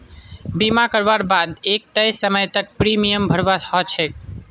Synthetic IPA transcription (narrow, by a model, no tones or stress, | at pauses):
bimakəɾʋaɾbad̪ek̚t̪əjsəməjt̪ək̚pɾimijəmbʱəɾʋat̪ʰɔt͡ʃʰek